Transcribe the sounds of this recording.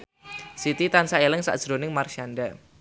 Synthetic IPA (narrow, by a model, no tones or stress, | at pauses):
sit̪it̪ansaelɪŋsa̰ʔd̥ʒ̥ɾonɪŋmarʃanda